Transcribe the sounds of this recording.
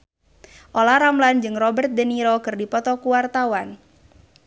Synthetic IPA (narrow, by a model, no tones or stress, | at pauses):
ʔolaɾamland͡ʒɨŋrɔbərt̪̚d̪əniɾɔkɨrdipɔt̪ɔkuwart̪awan